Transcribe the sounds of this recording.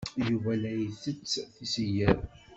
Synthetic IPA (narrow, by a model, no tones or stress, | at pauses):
juvælæjθət͡sːθisəjːəɾ